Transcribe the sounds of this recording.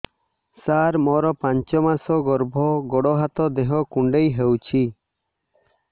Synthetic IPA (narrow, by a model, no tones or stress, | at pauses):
saɾmɔɾɔpãɲt͡ʃɔmasɔɡɔɾbʱɔɡɔɽɔɦat̪ɔd̪eɦɔkuɳɖejɦəwt͡ʃʰi